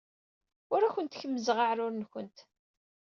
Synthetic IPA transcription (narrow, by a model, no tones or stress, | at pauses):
ʊɾæçʷənt̪çəmːəzəʁaʕɾʊɾnçənt̪